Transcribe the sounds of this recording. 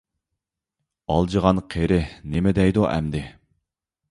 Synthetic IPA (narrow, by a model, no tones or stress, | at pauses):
ɑlˠd͡ʒəʁɑnqʰeɾɪnemɪd̪ɛjd̪uʔæ̰md̪ɪ